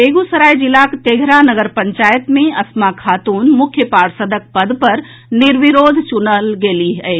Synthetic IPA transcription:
beɡusəɾajd͡ʒilakt̪eɡʱɾanəɡəɾpəɲt͡ʃajət̪mẽɐsmakʰat̪uːnmukʰjəpaɽsəd̪ʱək̚pəd̪ʱpəɾ | niɾʋiɾod̪ʱt͡ʃunəlɡeliɦəɪ

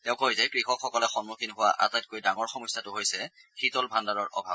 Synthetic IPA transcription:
tɛʊ̃koɦizɛkɹixɔkxɔkɔlɛxɔnmukʰinɦʊwa̰ʔa̰tajt̚kojdaŋɔɹxɔmɔsatʊɦojsɛ | xʰitɔlbʱandaɹɔɹʔɔ̰bʱa̰b̚

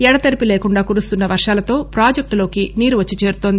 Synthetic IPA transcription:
ɛɽɐt̪ɐɾipileːkuɳɖaːkuːɾust̪unːɐʋɐɾʂaːlɐt̪o̞ːpɾaːd͡ʒek̚ʈlo̞ːkiniːɾuʋɐt͡ʃːit͡ʃeːɾut̪ond̪i

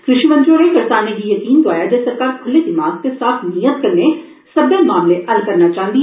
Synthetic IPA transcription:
kɾɪʃiːʋə̃nd͡ʒoːɾeːkəɾsaːneːɡiːjəkiːnd̪ʊaːjaːd͡ʒesəɾkaːɾkʰʊleːd̪ɪmaːɡ̚t̪esaːfʰnijət̪̚kəɾneː | səbeːmaːmleːʔəlkəɾnaːt͡ʃãːnd̪i

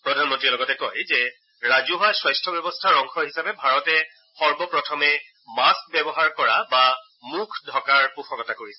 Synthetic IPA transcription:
pɹɔdʱanmɔntɹiɛlɔɡɔtɛkɔjzɛ | ɹazuɦajswajstʰɔbjɔbɔstʰaɹɔŋkʰɔɦisapɛbʱaɹɔtɛ | xɔɹbɔpɹɔtʰɔmɛ | mask̚bɛbɔɦaɹkɔɹaba | mukʰdʱɔkaɹpupʰɔkɔtakoɹisɛ

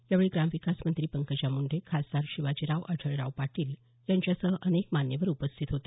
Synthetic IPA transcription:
jaʋɭiːɡɾamʋikasmənt̪ɾiːpəŋkət͡ɕamuɳɖʱekʰasd̪aɾɕiʋat͡ɕiɾaʋʔəʈʰəɭɾaʋpaʈiːl | jãɲt͡ɕjasəɦəʔənekmanjəʋəɾupəst̪ʰit̪ɦot̪e

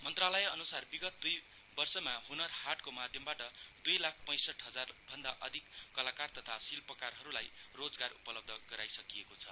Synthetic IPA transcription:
mʌnt̪ralʌjeʌnusarbiɡʌt̪̚d̪uj | bʌrsʌmaɦunʌrhaʈkomad̪ʱjʌmbaʈʌd̪ujlak̚ʰpʌ̃j̃sʌʈɦʌd͡zarbʱʌnd̪aʔʌd̪ʱikːʌlakart̪ʌt̪ʰasilpʌkarɦʌɾulajrod͡zɡarupʌlʌb̚d̪ʱʌɡʌɾajsʌkijekot͡sʰʌ

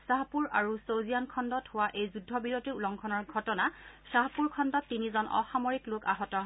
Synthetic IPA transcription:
saɦpuɹaɹusowzijankʰɔndɔthʊwaʔejzudʱːɔbiɹotiulɔŋkʰɔnɔɹɡʱɔtɔnasaɦapuɹkʰɔndɔtːinizɔnʔɔ̰xamɔɹikloka̰ɦɔtɔ

